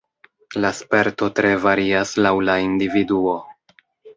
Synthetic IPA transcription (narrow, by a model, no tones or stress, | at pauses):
laspe̞ɾto̞tɾe̞vaɾiaslawlaindividuo̞